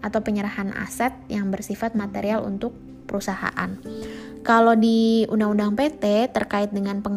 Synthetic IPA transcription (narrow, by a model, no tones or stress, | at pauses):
ʔat̪awpəɲəɾahana̰sat̪̚jaŋbərsifat̪̚mat̪eɾialṵnt̪ʊk̚ | pəɾusaha̰ʔan | kalodiundaŋundaŋpet̪ɛt̪ərkaɪt̪̚dəŋanpəŋ